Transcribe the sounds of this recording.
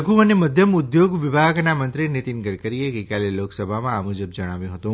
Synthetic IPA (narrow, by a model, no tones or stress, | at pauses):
ɡũəneməd̪ʱjəmʊd̪joɡʋɪbʱaɡnamənt̪ɾinit̪inɡəɽkəɾiekekjaleloksəbʱamãamud͡ʒəbd͡ʒəɽ̃aʋjũɦət̪ũ